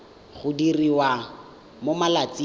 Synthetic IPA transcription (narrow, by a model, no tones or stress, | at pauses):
χʊdiriwa | momalat͡si